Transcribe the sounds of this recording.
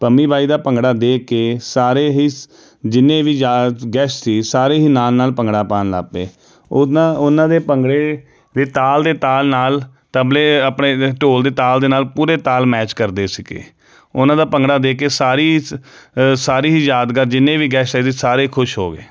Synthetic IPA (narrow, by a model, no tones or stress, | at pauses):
pəmiːbʱaːiːd̪aːpəŋɡɽaːd̪eːkeːsaːɾeːɦiː | d͡ʒɪnːẽːʋiːd͡ʒaːɡɛːssiːsaːɾeːɦiːnaːlnaːlpəŋɡɽaːpaːnla̰ːpḛː | ãʊnãːd̪eːpəŋɡɽeː | d̪eːt̪aːld̪eːt̪aːlnaːl | t̪əbleːəpɳeːʈoːld̪eːt̪aːld̪eːnaːlpuːɾeːt̪aːlmɛːt͡ʃkəɾd̪eːsɪkḛː | ʊnãːd̪aːpəŋɡɽaːd̪eːkeːsaːɾiː | saːɾiːɦiːjaːd̪kəɾd͡ʒɪnːẽːʋiːɡɛːseːsiːsaːɾeːkʰʊʃɦoːɡeː